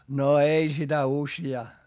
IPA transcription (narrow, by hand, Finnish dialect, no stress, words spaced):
no ei sitæ usjɑː